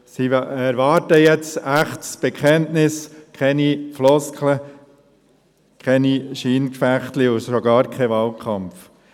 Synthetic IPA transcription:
siɛɾʋɑːɾtəjɛt͡sæχtsb̥ɛkʰχɛntnɪskʰɛniflɔskʰlə | kʰɛniʃiːnkfæχt̪liʊʃoɡɑːɾkʰɛʋɑːlkʰχɑmf

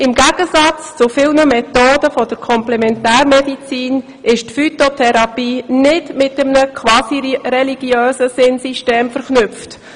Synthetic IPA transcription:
ɪmɡæɡ̥əsɑt͡st͡sʊfɪlnəmɛt̪oːdəfɔd̥əɾkʰɔmplɛmɛntæːɾmɛdit͡siːn | ɪʃtfyt̪otʰɛɾɑpiːnɪdmɪtəmnəkʰʋɑːsiɾɛliɡ̥jøːsəsɪnsiʃteːmfəɾχnʏpft

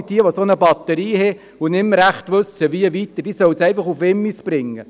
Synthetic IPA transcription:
d̥iəʋosonəbɑt̪əɾiːɦɛ | ʊnɪmːɾæχtʋʉsəʋiəʋit̪əd̥iːsœwsɛɪfɑχufɪmːisb̥ɾɪŋːə̰

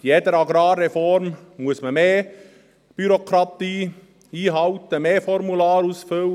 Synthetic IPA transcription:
jedəɾɑɡɾɑːrːɛfɔɾmmuəsməmeː | b̥yɾokʰɾɑt̪iː | iːɦɑwt̪əmeːfɔɾmulɑːɾusfʏl

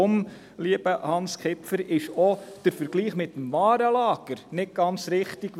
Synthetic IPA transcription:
om | liəb̥əhɑnskʰɪpfəɾɪʃɔd̥əɾfəɾɡ̥liːχmɪtːm̩vɑːɾəlɑːɡ̥əɾnɪt̚ɡ̥ɑnt͡sɾɪχtiɡ̥

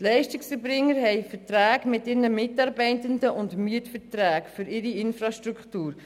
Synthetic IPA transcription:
tlɛɪʃtɪksfəɾbɾɪŋːəɾɦɛɪfəɾtɾæːɡmɪtɪɾnəmɪtɑɾbɛɪtəndəʔʊndmyətfətɾæːɡfʏɾɪɾiɪnfɾɑʃtɾukχtuːɾ

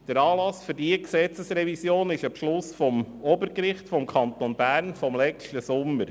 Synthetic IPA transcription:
d̥əɾɑːlɑsføɾdiəksɛt͡səsrɛvisjoːnɪʃɑpʃlʊsfɔmɔbəɾkɾɪχtfɔmkʰɑnt̪onbæːɾnfɔmlɛt͡ʃtəsʊmːəɾ

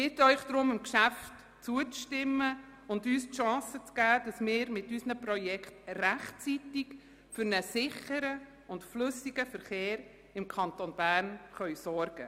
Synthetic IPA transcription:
ɪːtœʏχd̥̪ɾʊmɪmkʃæft | t͡suət͡sʃtɪmːə | ʊndyːstʃɑ̃ːsət͡sɡ̥æːd̥ɑsmɪːɾmɪtysnəpɾɔjɛkχtræχt͡sitɪk | fʏɾnəsɪχəɾə | ʊntflʏsiɡəfəɾχeːɾ | ɪmkʰɑntonb̥æːɾnχœɥsɔɾɡ̥ə

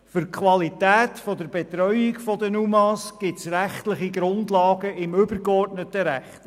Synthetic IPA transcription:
fʏɾkʰχʋɑlitæːt̪fɔdəɾbet̪ɾœʏikfɔdənumɑsɡ̥ɪtsɾæχtlɪχiɡɾʊndlɑːɡəɪmɵbəɾkɔrdnət̪əɾæχt̪

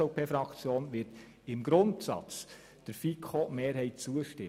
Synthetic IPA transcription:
oʊpeːfɾɑkt͡sjoːnʋɪt | ɪmɡɾʊntsɑ̰t͡s | d̥əɾfikʰomeːɾɦɛɪt̚t͡suːəʃtɪ

